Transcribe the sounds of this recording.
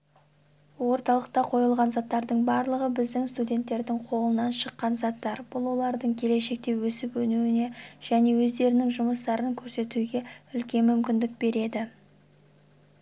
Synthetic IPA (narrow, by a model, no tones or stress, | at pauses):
wo̞ɾt̪ɑlˠəq̚t̪ɑqʰo̞jəlˠʁɑnzɑt̪ːɑɾd̪əɴbɑɾlˠəʁəbɪzd̪ɪŋst̪udʲe̞nt̪ːe̞ɾd̪ɪŋqʰo̞lˠənɑnʃəqːɑnzɑt̪ːɑɾb̥ʊlˠwo̞lˠɑɾd̪əɴkʲʰe̞le̞ʃe̞k̚t̪e̞wɵsɪpwɵnuwɪne̞ʒ̥æne̞wɵzd̪e̞ɾɪnɪŋʒʊməst̪ɑɾəŋkʲʰɵɾse̞t̪uɡʲe̞ʏlkʲe̞nmːʏmkʲɪnd̪ɪk̚be̞ɾe̞d̪ɪ